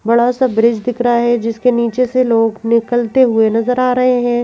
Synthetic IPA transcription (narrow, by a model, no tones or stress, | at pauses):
bɐɽasabɾɪd͡ʒd̪ɪkɾaɦɛd͡ʒɪskeniːt͡ʃeseloːɡnɪkəlt̪eɦʊenɐzəɾaːɾɐɦeɦɛ̃ː